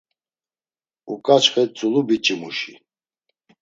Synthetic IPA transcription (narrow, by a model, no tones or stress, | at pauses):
ukʼat͡ʃʰχɛt͡sʼulubit͡ʃʼimuʃḭ